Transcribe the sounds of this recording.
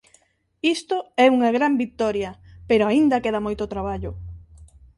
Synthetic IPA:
ist̪oɛuŋɐɣɾambik̚t̪ɔɾjɐpeɾoaind̪ɐkeðɐmojt̪ot̪ɾaβ̞aʎʊ

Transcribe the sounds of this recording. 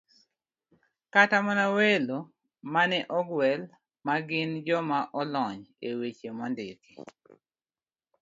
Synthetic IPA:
katamɔnawelo | manɛʔɔɡwɛl | maɡɪnd͡ʒɔmaʔɔlɔɲewet͡ʃemɔndɪki̥

